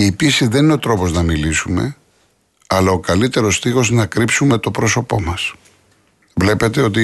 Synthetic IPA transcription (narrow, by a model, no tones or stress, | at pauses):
iːpisiðe̞nineo̞t̪ɾo̞po̞znɐmilisume̞̰ | ɐlɐo̞kɐlit̪e̞ɾo̞st̪ixo̞snɐkɾipsume̞t̪o̞pɾo̞so̞po̞mɐs | vle̞pe̞t̪e̞o̞t̪̬i